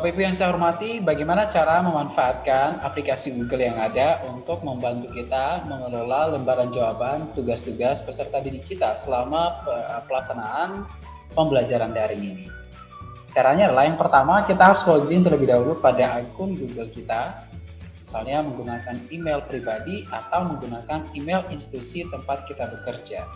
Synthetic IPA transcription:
sapaipujaŋsajaɦɔrmat̪ibaɡajmanat͡ʃaɾaməmanfaːt̪̚kanaplikasiɡuɡəljaŋadaʔunt̪ʊk̚məmbant̪ukit̪aməŋəlolaləmbaɾand͡ʒawabant̪uɡast̪uɡaspəsərt̪adinikit̪asəlamapəlaksanaʔan | pəmbəlad͡ʒaɾandaɾɪŋini | kaɾaɲalaaŋpərt̪amakit̪aɦaɾuslod͡ʒɪŋt̪ərləbɪhdaɦulʊpadaːɡʊŋɡuɡəlkit̪a | misalɲaməŋɡunakanimelpɾibadiʔat̪awməŋɡunakanimelinst̪i̥t̪usit̪əmpat̪̚kit̪abəkərd͡ʒa

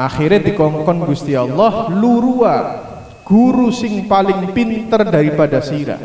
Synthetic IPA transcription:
ʔaχiɾɲadikɔŋkɔnɡust̪iɔlːɔhluɾua | ɡ̥uɾusɪŋpalɪŋpint̪ərdaɾipadasiɾa̰

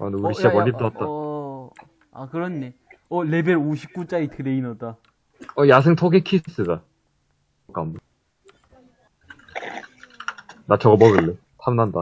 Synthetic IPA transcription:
a̰nuɾiɕ͈iabʌlːit͈at̚t͈a | akɯɾʌnːeʌle̞beɾoɕʰi̥p̚k͈ut͡ɕ͈aitɯɾeinʌda | ʌjas̬ʰeŋtʰoɡekʰis͈ɯda | k͈ambɯ | nat͡ɕʰʌɡʌmʌɡɯlːe | tʰamnanda

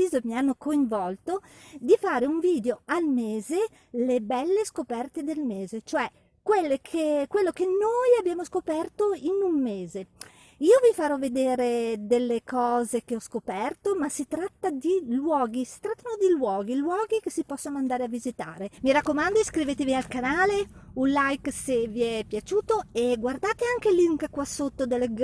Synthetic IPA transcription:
iːzomianːokoiɱvɔlt̪od̪ifaːɾeuɱviːd̪eoalmeːze | lebɛlːeskopɛrt̪ed̪elmeːzet͡ʃoɛ | kwelːekʰekwelːokenːojabjaːmoskopɛrt̪oinummeːze | iːovifaɾɔvːed̪eːɾed̪elːekɔːzek̟eɔskopɛrt̪omasit̪ɾat̪ːad̪ilwɔːɡisi̥t̪ɾat̪ːanod̪ilwɔːɡilwɔːɡik̟esipɔsːonoand̪aːɾeavizit̪a̰ːɾemiɾakːomand̪oskɾiveːt̪evialkanaːleunlajkseviɛpːjat͡ʃuːt̪oeɡward̪aːt̪eaŋk̟eliŋkkwasːot̪ːod̪elɡ

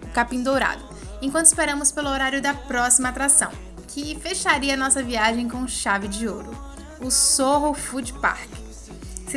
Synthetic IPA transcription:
ʊkapĩd̪owɾa̰d̪ʊ | ẽkwɐ̃t̪ʊ̥ispeɾɐ̃mʊspelʊoɾaɾjʊd̪ɐpɾɔsimɐaːt̪ɾasɐ̰̃w̃ | kʰɪfeʃaɾiɐanɔsɐviaʒẽj̃kõʃavɪd͡ʒɪoɾʊ | ʊsoɦʊfud͡ʒipa̰ɾk | s

